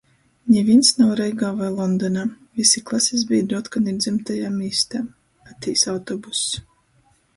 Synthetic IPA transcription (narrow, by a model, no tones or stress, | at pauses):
nʲɛvʲinsnawɾɛjɡaːvajlˠɔnd̪ɔnaː | visiklˠasʲiz̬biːd̪ɾuɔt̪kaniɾd̪zɛmt̪ajaːmiːst̪aː | at̪ʲiːsawt̪ɔbus